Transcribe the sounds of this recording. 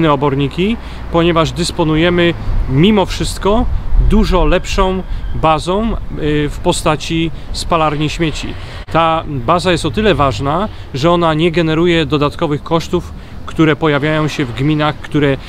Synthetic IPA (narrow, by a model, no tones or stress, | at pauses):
nɛɔbɔɾɲikʲi | pɔɲɛvaʐd̪ɘspɔnujɛmɘmʲimɔfʂɘst̪kɔd̪uʐɔlɛpʂɔ̃w̃bazɔ̃w̃fpɔst̪at͡ɕi | spalaɾɲiɕmʲjet͡ɕḭ | t̪abazajɛst̪ɔt̪ɘlɛvaʐna | ʐɛɔnaɲɛɡɛnɛɾujɛd̪ɔd̪at̪kɔvɘxkɔʂt̪uf | kt̪uɾɛpɔjavʲjajɔ̃w̃ɕɛvɡmʲinaxkt̪uɾɛ